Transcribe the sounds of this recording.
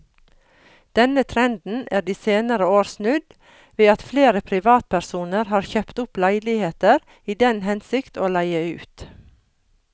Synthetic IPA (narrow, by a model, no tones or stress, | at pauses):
d̪̥ɛnət̪ʰɾɛnd̪n̩æːɖiːseːnəɾəoːɾsnʉd̪ | ʋeːɑt̪fleːɾəpʰɾɪʋɑːt̪̚pʰæɾsuːnəɾhɑːɾçœːpt̪ʊplæɪlɪheːt̪əɾ | iːd̪ɛnhɛnsɪkt̪oːlæɪəʉ̰ːt̪